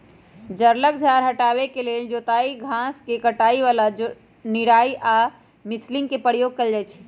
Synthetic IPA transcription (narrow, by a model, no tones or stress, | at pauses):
d͡ʒəɾlək̚d͡ʒʱaːɾɦəʈaːβekeleld͡ʒoːt̪aːiɡʱãskekəʈaːiʋaːla | niɽaːiʔaː | mɪslɪ̃ŋɡkepəɾijoːɡ̚kəld͡ʒaːjt͡ʃʰ